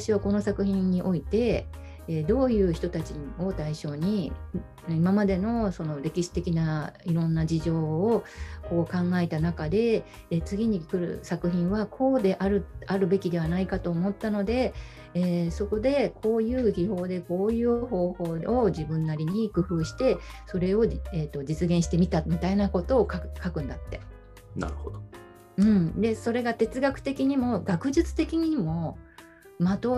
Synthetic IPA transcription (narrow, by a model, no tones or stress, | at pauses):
aɕiβako̞no̞sakɯ̟çĩɲ̟ːiʔo̞it̪e̞ | eːd̪o̞ːjɯ̟ːçi̥t̪o̞t̪at͡ɕio̞t̪aiɕo̞ːɲ̟i | imamad̪e̞no̞so̞no̞ɾe̞kʲiɕi̥t̪e̞kʲinaiɾõ̞nːad͡ʑiʑo̞ːko̞ːkãŋɡaet̪anakad̪e̞ | t͡sɨɡʲiɲ̟ikɯ̟ɾɯ̟̰sakɯ̟çĩɰ̃βakʰo̞ːd̪e̞ʔaɾɯaɾɯ̟be̞kʲid̪e̞β̞anaikat̪o̞ːmo̞t̪ːano̞d̪e̞ | eːso̞ko̞d̪e̞kʰo̞ːjɯ̟ːçiɦo̞ːd̪e̞ko̞ːjɯ̟ːho̞ːho̞ːoʑibɯ̟̃nːaɾʲiɲ̟ikɯ̟ɸɯ̟ːɕi̥t̪e̞so̞ɾe̞o̞eːt̪ːo̞d͡ʑit͡sɨɡẽɕi̥t̪emʲit̪amʲit̪ainako̞t̪o̞ːkakakɯ̟̃nd̪at̪ːe̞̥ | na̰ɾɯhod̪o | ɯ̟̃ɴd̪e̞so̞ɾe̞ɡat̪e̞t͡sɨɡakɯ̟̥t̪e̞kʲiɲ̟imo̞ɡakɯ̟ʑɨt͡sɨ̥t̪e̞kʲiɲ̟iimo̞ | mat̪o̞